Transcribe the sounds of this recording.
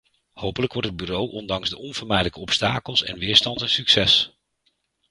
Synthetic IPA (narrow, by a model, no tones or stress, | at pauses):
howpələkʋɔɹtɦəd̚byrowʔɔndɑŋzdəʔɔnvʊɹmɛjdələkəɔpstaːkəlˠsɛ̰nʋɪːɹstɑntənsyksɛs